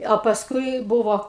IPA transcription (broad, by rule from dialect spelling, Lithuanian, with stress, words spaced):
ɐ pɐsˈkʊɪ ˈbʊʋoː